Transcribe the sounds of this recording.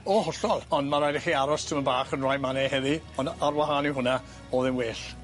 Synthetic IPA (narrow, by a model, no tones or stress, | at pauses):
ɔhɔɬɔlˠɔndmaɾajdɛχiaɾɔstʰəmənbaːχənrajmanɛhɛði | ɔnarwaɦaːniɦʊna | ɔðɪmweːɬ